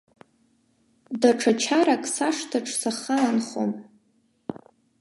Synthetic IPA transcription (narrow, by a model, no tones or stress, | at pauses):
daʈ͡ʂʰat͡ʃʰaɾakʼsaʂtʰaʈ͡ʂʰʼsaχaanχo̰m